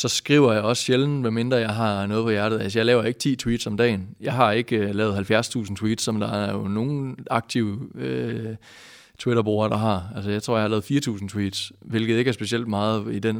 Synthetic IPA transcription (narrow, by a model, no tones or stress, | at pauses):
sɒ̽sɡ̥ʁiʊɐjɑ̈ɪɒ̽sɕeln̩ʋeme̝nd̥ʁɐjɑ̈ɪɦɑ̈nɔ̽ːð̩ˠpʰɒ̽jæɐɾ̥ð̩ˠælsəjɑɪlɛːʊɐe̝ɡ̥ə̥t͡sʰḭːt͡sʰwḭːd̥sɒ̽md̥ɛ̰ːnjɑ̈ɪɦɑ̈e̝ɡ̥lɛːʊð̩ˠhælfjæɐst͡sʰṵːsn̩t͡sʰwḭːd̥sɒ̽md̥ɑ̈ɐæjono̝ːnɑ̈ɡ̥̚t͡sʰiʊ̰ø | t͡sʰwiɾɐb̥o̝ːɐɾ̥ɑ̈ɦɑ̈ælsəjɑ̈ɪt͡sʰʁo̝ɐ̰ɑhɑlɛːð̩ˠfiːɐt͡sʰṵːsn̩t͡sʰwḭːd̥sʋe̝lɡ̥ð̩ˠe̝ɡ̥æɐsb̥e̝siel̰d̥̚mɑ̈ːð̞̩ˠid̥en